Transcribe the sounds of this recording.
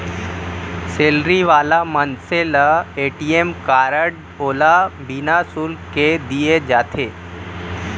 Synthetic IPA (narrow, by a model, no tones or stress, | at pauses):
seːlɾiʋaːlamənseləeːʈiːemkaːɾəɖ | oːlabinasuːlked̪ied͡ʒaːt̪ʰeː